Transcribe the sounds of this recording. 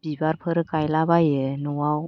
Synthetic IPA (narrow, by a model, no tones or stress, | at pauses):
b̥ibaɾpʰɯɾɯkajlabajɯnuwaw